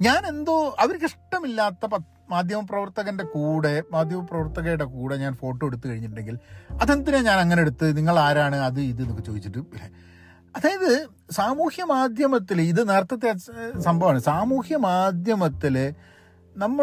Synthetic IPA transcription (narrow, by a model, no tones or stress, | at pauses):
ɲaːne̞nd̪o̞ːʔɐʋɐɾkiʂʈːɐmilːaːt̪ːɐpɐ | maːd̪ʱjɐmɐprɐʋɐrt̪ɐɣɐnde̞kuːɽe̞maːd̪ʱjɐmɐprɐʋɐrt̪ɐɣɐjuɽekuːɽeɲaːnfo̞ːʈːoːeɽut̪ːukɐɻiɲːiʈːuɳɖe̞ŋɡilɐðend̪ineɲaːnɐŋːɐneeɽut̪ːɨniŋːɐɭaːɾaːɳɨɐðɨiðɨenokːɨt͡ɕo̞ːit͡ɕːiʈːuilːe | ɐðaːjɐðɨ | saːmuːhjɐmaːd̪ʱjɐmɐt̪ːiliðɨnɐrt̪ːɐt̪̬ːeasɐmbʱɐʋaːɳɨsaːmuːhjɐmaːd̪ʱjɐmɐt̪ːil | nɐmːɐ